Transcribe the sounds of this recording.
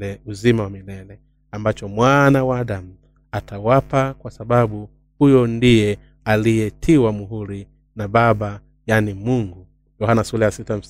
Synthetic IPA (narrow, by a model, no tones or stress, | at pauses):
lɛuzimawamilɛlɛ | ambat͡ʃɔmwanawaaɗam̩ | atʰawapakwasaɓaɓu | hujɔndijɛ | alijɛtʰiwamuɦuɾi | naɓaɓa | janimuŋɡu | jɔhanasulɛjasitam̩